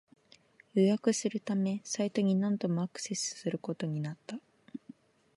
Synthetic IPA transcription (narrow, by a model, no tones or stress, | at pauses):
jɯjakɯ̟sɨɾɯ̟t̪ame̞sait̪o̞ɲ̟inãnd̪o̞mo̞akɯ̟̥se̞sɨ̥sɨɾɯ̟ko̞t̪o̞ɲ̟inat̪ːa